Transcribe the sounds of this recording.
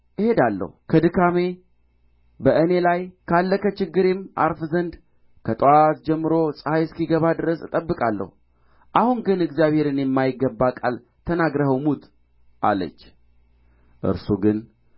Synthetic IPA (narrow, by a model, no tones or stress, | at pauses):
jɪhe̞d̪alːə̰hukʰəd̪ɨkʰame̞ | bəʔɨne̞lajkʰalːəkət͡ʃɪɡːɨɾema̰ɾfzənd̪ | kʰət̪ʼɨwat̪̚d͡ʒɛmːɨɾo̞sʼəhajskiɡəβad̪ɨɾəsɨt̪ʼəbːɨkʼalːə̰hu | ʔahunɡɨnɨɡzjaβhe̞ɾɨnjɛmːajɪɡːəbːakʼal | t̪ʰənaɡɾəhəwmut̪ʼ | ʔa̰lːə̰t͡ʃː | ʔɨ̰ɾsuɡɨn